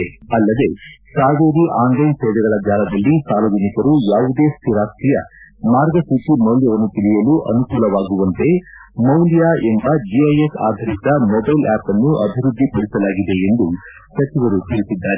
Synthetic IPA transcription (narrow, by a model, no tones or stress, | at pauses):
ɐlːɐd̪e̞saːʋeːɾiʔaːnlɐjnsɛːd̪ɛɡɐɭɐd͡ʒaːlɐd̪ɐlːisaːlɐːd͡ʒɐnikɐɾujaːʋud̪e̞ːst̪ʰiɾaːst̪ɾijɐ̰ | maːɾɡɐsiʈimɐwljɐʋɐnːut̪ilijɐluʔɐnukuːlɐʋaːɡuʋɐnt̪e̞ | mɐwljaːe̞mbɐd͡ʒiɐjesa̰ːd̪ʱɐɾit̪ɐmɔbɐjlɛːpɐnːuʔɐbʱiɾud̪ʱːipɐɽisɐlaːɡid̪e̞end̪u | sɐt͡ʃiʋɐɾut̪iɾisid̪ːaːɾe